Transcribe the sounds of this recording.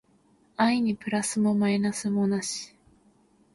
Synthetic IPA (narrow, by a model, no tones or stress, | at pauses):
aiɲ̟ipɯ̟ɾasɨmo̞mainasɨmo̞naɕi̥